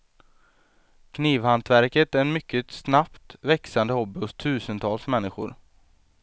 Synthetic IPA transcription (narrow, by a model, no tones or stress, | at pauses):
kʰniːvhant̪væɾkət̪æɾɛnmʏkʰːəsnapt̪vɛksand̪əhɔbːɪhʊst̪ʰʉ̟ːsənt̪ʰɑːlsmɛnːɪɧʊ̰ɾ